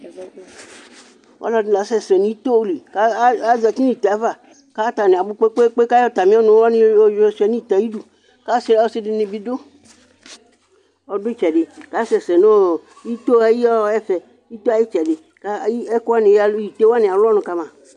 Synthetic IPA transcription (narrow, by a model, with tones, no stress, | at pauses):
wʔa̰˦lɔ˨˦n˦la˨˦sɛ˦˨sɛ˨nĩ˨˦i˦t̪o˦wli˨ka˦a˦za˨t͡ʃi˦n˦i˨t̪e˨a˨˦va˨ | ka˦t̪a˨nẽ˨a˨bu˦k͡pe˦k͡pe˦k͡pe˦ka˦jɔ˦t̪a˨mĩ˦nũ˨˦a˦n˦o˦d͡ʒsɛ˨nĩ˦i˨t̪a˨ji˦ɖu˨ | ka˦se˦la˨˦wo˦se˦ɖɪ˨nĩ˨bi˨do˦ | ɔ˨ɖo˦t͡ʃɛ˨ɖɪ˨ka˦sɛ˨sɛ˨no˦˨ | ji˦t̪o˦a˨ji˦ɔ˦ɛ˦fɛ˨ | i˦t̪o˦a˨ji˦t͡ʃɛ˨ɖɪ˨ | ka˦i˦ɛ˦ko˦a˦nĩ˨ja˦˨lo˦ji˨t̪e˦wa˦nɪ̃˨a˨lɔ˦nʊ̃˨ka˦mã˨